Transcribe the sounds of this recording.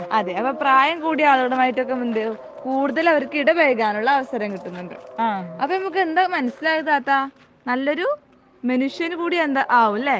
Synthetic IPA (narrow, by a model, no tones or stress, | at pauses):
ɐðeɐpːɐpraːjɐmkuːɽiaːluɣɐɽɐmaːjitːo̞kːe̞mund̪ɨ | kuːɽuðɐlɐʋɐɾkːiɽɐbɐjɣaːnuɭːɐːʋɐsɐɾɐmkiʈːunːuɳɖɨ̰aɐpːonɐmuk̬ːɨe̞nd̪amɐnɐsːilaːɣɨt̪aːt̪ːa | nɐlːo̞ɾu | mɐnuʂjɐnukuːɽiend̪aʔaːʋulːe